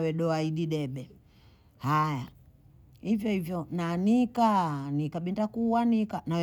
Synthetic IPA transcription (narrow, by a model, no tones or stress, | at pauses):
wɛɗɔaiɗiɗɛɓɛ | haja | hivjɔhivjɔnanikanikaɓindakuwanikanaw